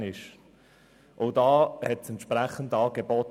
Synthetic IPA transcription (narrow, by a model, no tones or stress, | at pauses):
nɪʃ | ʔoʊdɑːhɛtsɛnt̪ʃpɾæχən̩dɑːɡ̥ebɔt